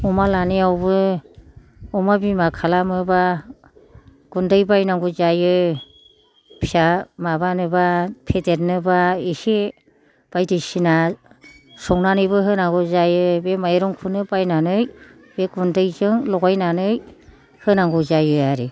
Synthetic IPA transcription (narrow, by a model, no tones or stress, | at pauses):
ɔmalaniawbɯ | ɔmabimakʰalamɯba | ɡ̥undɯjbajnaŋɡuzajɯ | pʰiamabanɯbapʰetet̚nɯbaise | b̥ajdɯjsina | sɔŋnanɯjbɯɦɯnaŋɡuzajɯbemajɾɔŋkʰunɯbajnanɯj | beɡundɯjzɯŋlɔɡajnanɯj | hɯnaŋɡuzajɯaɾi